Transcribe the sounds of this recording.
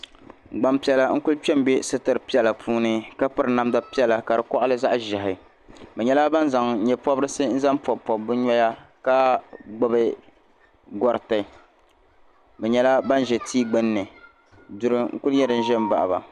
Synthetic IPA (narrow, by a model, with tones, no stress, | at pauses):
ɡ͡ba˦mpi˦ɛ˦la˦ŋ̩˦kʊ˦lt͡ʃɛ˦m˦bɛ˦sɨ˦tɨ˨ɾpi˦ɛ˨la˨pʰuː˦nɨ˦ka˦pɨ˦ɾɨ˨na˦mda˦pi˦ɛ˦la˨ka˨dɨ˨kɔ˦ʔʊ˦lɨ˦za˦ʔʒɪ˨ɦɪ˨ | bɛ˨ɲɛ˦la˦ba˦n˦za˨ŋɲɛ˨pɔ˦bɨ˦ɾɨ˦sɨ˦n̩˦za˦m˦pɔ˨pɔ˨bbɨ˦ɲɔ˦ja˦ka˦ɡ͡bʊ˦bɨ˦ | ɡɔ˨ɾɨ˨tɨ˨ | bɛ˨ɲɛ˦la˦ba˦n˦ʒɛ˨tiː˦ɡ͡bɨ˦nː˦ɨ˨ | dʊ˨ɾɨ˦ŋ̩˦kʊ˦ljɛ˦dɨ˨n̩˦ʒɛ˦m˦ba̰˨ʔba̰˨